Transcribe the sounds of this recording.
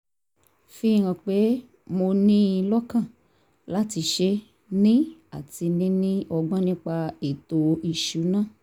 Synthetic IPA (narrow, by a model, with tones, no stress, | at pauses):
fi˦˨ɾ̃ã˧˨k͡pe˨˦ | mo˧nĩ˦˧lɔ˦kã˦˨ | la˦ti˧ʃe˧˦ | nĩ˦a˦˨ti˧nĩ˦nĩ˦ɔ˧ɡ͡bɔ̃˦nĩ˦k͡pa˧e˨to˨i˧ʃu˨˦nãː˦˨